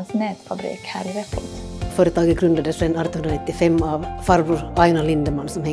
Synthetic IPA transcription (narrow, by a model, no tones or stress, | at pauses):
nsneːd̪̥fɑbɾɪ̰khæːɾɪɾɛstʰlføːɾət̪ʰɑːɡəɡɾʉnd̪ɑd̪əsɛnɑɾt̪ːnhɵnɾanɪt̪ːɪfɛmːɑʋfɑɾʋʊɾɑɪnalɪnd̪əmɑnsɔmhɛ